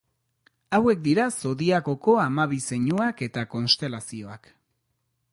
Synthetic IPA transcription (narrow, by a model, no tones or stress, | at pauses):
awe̞k̚d̪iɾaso̞ðiaɣo̞ko̞amaβ̞ise̞ɲuake̞t̪ako̞nst̪e̞lasio̞ak